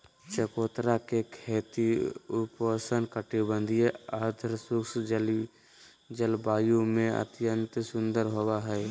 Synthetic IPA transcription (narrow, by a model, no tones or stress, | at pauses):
t͡ʃəkoːt̪ɾakekʰeːt̪iupəsənkəʈibə̃nd̪ʱijeaːd̪ʱəɾsʊks | d͡ʒəlbaːjõmẽə̰t̪jənt̪sʊ̃nd̪əɾɦowaɦɛː